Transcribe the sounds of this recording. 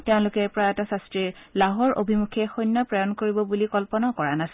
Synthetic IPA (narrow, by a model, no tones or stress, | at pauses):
tɛʊ̃lʊkɛpɹaɛtasastɹiɹlaɦɔɹʔo̰bʱimukʰɛxɔjnːɔpɹɔjɔnkoɹibɔbulikɔlpɔnakɔɹanasi